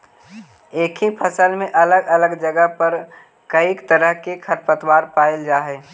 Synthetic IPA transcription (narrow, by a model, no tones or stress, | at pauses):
eːkʰipʰəsəlmẽʔɐləɡələɡd͡ʒəɡəɦpəɾ | kəikt̪əɾəɦkekʰəɾpət̪waːɾpaːjld͡ʒaːɦɛː